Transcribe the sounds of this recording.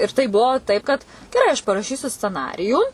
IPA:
ɪr tɐɪ ˈbʊʋoː ˈtɐɪp kɐt ɡʲɛˈrɐɪ ɐʃ pɐrɐˈʃʲiːsʲʊ sʲt͡sʲɛˈnɑːrʲɪjuː

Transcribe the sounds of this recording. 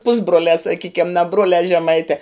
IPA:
ˈpʊzbruɔlʲæː sɐˈkʲiːkʲɛm nɐ ˈbruɔlʲæː ʒʲɛˈmɐɪtʲɛː

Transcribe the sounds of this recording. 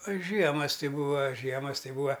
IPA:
ɐ ˈʒʲiɛmɐs ˈtʲɪ ˈbuːɐ ˈʒʲiɛmɐs ˈtʲɪ ˈbuːɐ

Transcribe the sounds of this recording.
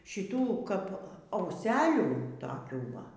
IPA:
ʃʲɪˈtuː ˈkɐp ɐʊˈsʲæːlʲuː toːˈkʲuː ˈʋɐ

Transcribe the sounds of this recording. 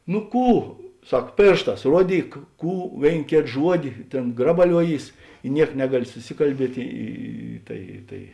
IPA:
nʊ ˈkuː ˈsɐk ˈpʲeːrʃˌtɑːs ˈruɔˌdʲiːk ˈkuː ˈʋʲeːɪn ˈkʲeːt ˈʒuɔdʲɪ ˈtʲeːn ˈɡrɑːbɐlʲuɔˌjiːs ɪ ˈnʲiɛk ˈnʲæːɡɐˌlʲɪ sʊˈsʲɪkɐlʲˌbʲiɛtʲ ˈiː ˈtɐɪ tɐɪ

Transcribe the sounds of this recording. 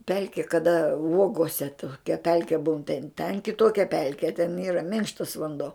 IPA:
ˈpʲɛlʲkʲɪ kɐˈdɐ ˈuɔɡoːsʲɛ toːˈkʲɛ ˈpʲɛlʲkʲɛ buːn tʲɛn tʲɛn kʲɪˈtoːkʲɛ ˈpʲɛlʲkʲɛ tʲɛn ˈiːrɐ ˈmʲɪŋkʃtɐs ʋɐnˈdoː

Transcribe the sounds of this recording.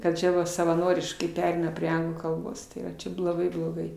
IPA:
kɐt ˈt͡ʃʲɛ ʋɐ sɐʋɐˈnoːrʲɪʃkɐɪ ˈpʲæːrʲɛɪnɐ pʲrʲiɛ ˈɐŋɡlˠuː kɐlˠˈboːs ˈtɐɪ ʋɐ ˈt͡ʃʲɛ blˠoːˈɡɐɪ blˠoːˈɡɐɪ

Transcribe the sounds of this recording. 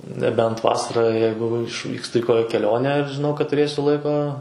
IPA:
nʲɛˈbʲɛnt ˈʋɑːsɐrɑː ˈjɛɪɡʊ ɪʃʲˈʋʲiːkstʊ ɪ ˈkoːkʲɛ kʲɛˈlʲoːnʲæː ɪr ʒʲɪˈnɐʊ kɐt tʊˈrʲeːsʲʊ ˈlˠɐɪkoː

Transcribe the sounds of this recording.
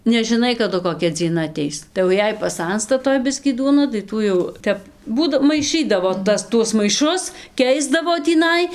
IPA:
nʲɛʒʲɪˈnɐɪ kɐˈdʊ koːˈkʲɛ d͡zʲiɛˈnɐ ɐˈtʲɛɪs tɐɪ jɛʊ ˈjɛɪ pɐˈsɐnstɐ ˈtoːj ˈbʲɪsʲkʲiː ˈduɔnɐ tɐɪ ˈtuː jɛʊ ˈtʲɛp ˈbuːdɐ mɐɪˈʃɨdɐʋoː ˈtɐs ˈtuɔs mɐɪˈʃʊs ˈkʲɛɪzdɐʋoː tʲiːˈnɐɪ

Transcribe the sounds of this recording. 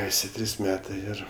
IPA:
ˈæːsʲɪ ˈtʲrʲiːs ˈmʲæːtɜ ˈɪr

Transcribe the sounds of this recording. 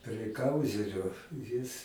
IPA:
pʲrʲiɛ ˈkɐʊzʲɛrʲoː jɪs

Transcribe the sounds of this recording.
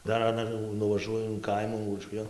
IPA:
ˈdɐr ɐˈnɐ jɛʊ nʊʋɐˈʒuɔjʊ ɪn ˈkɐɪmuː uɔˈʃʲʋʲɪjoːn

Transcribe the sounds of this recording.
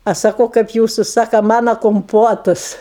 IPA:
ˈɐʃ sɐˈkɐʊ ˈkɐɪp ˈjuːsʊ ˈsɑːkɐ ˈmɑːnɐ koːmˈpoːtʊs

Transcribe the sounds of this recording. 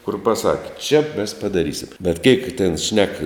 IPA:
kʊr pɐˈsɑːkʲɪ t͡ʃʲɛ mʲɛs pɐdɐˈrʲiːsʲɪm bʲɛt kʲɛɪk tʲɛn ʃʲnʲɛk

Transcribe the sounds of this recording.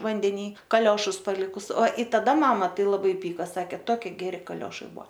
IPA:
ʋɐnʲdʲɛˈnʲiː kɐˈlʲoːʃʊs pɐˈlʲɪkʊs oː ɪ tɐˈdɐ ˈmɑːmɐ ˈtɐɪ lˠɐˈbɐɪ ˈpʲiːkɐ ˈsɑːkʲeː ˈtoːkʲɪ ɡʲɛˈrʲɪ kɐˈlʲoːʃɐɪ ˈbuɔ

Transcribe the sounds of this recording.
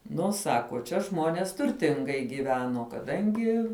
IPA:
ˈnʊ ˈsɑːkoː t͡ʃʲɛ ˈʒmoːnʲeːs tʊrʲˈtʲɪŋɡɐɪ ɡʲiːˈʋʲæːnoː kɐˈdɐŋʲɡʲɪ

